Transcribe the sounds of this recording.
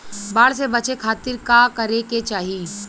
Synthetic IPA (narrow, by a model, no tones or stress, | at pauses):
baːɽs̬ebɐt͡ʃekʰaːt̪ɪɾkakɐɾeket͡ʃaːɦiː